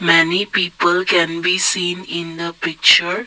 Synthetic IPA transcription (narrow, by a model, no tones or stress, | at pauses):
mɛnipiːpəlkɛ̃nbisĩːnɪ̃nd̪əpɪk̚t͡ʃəɾ